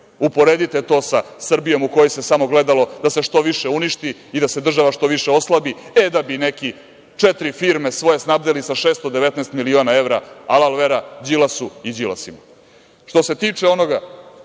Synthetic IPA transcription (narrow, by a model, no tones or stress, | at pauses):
upo̞ɾed̪it̪et̪o̞ːsasr̩bijo̞mukojose̞samo̞ɡle̞d̪alo̞d̪ase̞ʃt̪o̞ʋiʃeuniʃt̪iid̪ase̞d̪r̩ʒaʋaʃt̪o̞ʋiʃeo̞slˠabied̪abineki | t͡ʂet̪ɾifiɾme̞sʋo̞je̞snab̚d̪elisaʃeːst̪od̪eʋe̞t̪nɛːst̪milioːnae̞vɾaalˠalʋeɾad͡ʑilasuid͡ʑila̰sima | ʃt̪o̞se̞t̪iːt͡ʂeo̞no̞ɡa